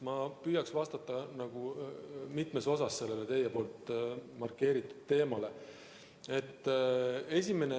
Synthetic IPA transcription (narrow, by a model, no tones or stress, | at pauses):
mɑpyjɑksvɑst̪ɑt̪ːˑɑnɑɡ̥umit̪me̞so̞sɑsːe̞lːe̞let̪e̞jepo̞ːlt̪mɑrkːe̞ːɾit̪ˑːu̥d̪̥t̪e̞ːmɑle̞ | e̞t̪ːˑe̞sʲime̞ne